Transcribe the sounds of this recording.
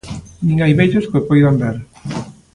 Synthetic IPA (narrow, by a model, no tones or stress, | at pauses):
nĩŋajβejʎʊskopojðamd̪eɾ